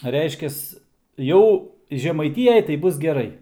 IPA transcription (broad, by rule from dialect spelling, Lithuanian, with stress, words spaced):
ˈrʲɛɪʃʲkʲɛs ˈjɛʊ ʒʲɛmɐɪˈtʲiːjɛj tɐɪ ˈbʊs ɡʲɛˈrɐɪ